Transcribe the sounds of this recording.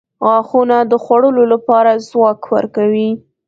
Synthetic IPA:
ɣɑxunad̪əxwaɽəlolapɑɾazwɑkwə̰ɾkawi

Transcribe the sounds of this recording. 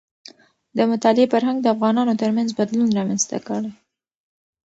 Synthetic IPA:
d̪əmʊt̪ɑlɪepəɾɦaŋɡd̪əafɣɑnɑnot̪əɾmanzbad̪lunɾɑmanzt̪a̰kəɽej

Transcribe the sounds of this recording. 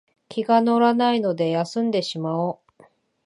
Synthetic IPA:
kʲiɡano̞ɾanaino̞d̪e̞jasɨ̃nd̪e̞ɕimao

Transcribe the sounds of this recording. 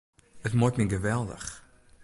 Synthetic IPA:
ətmɔtmiɡəvɛlˠdə̰χ

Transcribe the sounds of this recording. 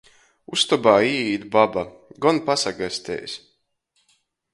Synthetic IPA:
ust̪ɔbaːiːiːd̪baba | ɡɔnpasaɡasʲt̪ʲɛ̰ːjsʲ

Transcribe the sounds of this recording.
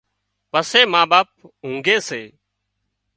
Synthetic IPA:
pəseːmaːɓaːp̚ɦũːŋɡeːseː

